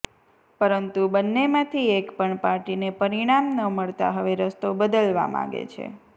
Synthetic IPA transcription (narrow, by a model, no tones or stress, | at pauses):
pəɾənt̪ubənːemãt̪ʰiekpəɳpaɾʈinepəɾiɽ̃amnəməɭt̪a̰ɦəʋeɾəst̪obəd̪əlʋa̰mã̰ɡḛt͡ʃʰḛ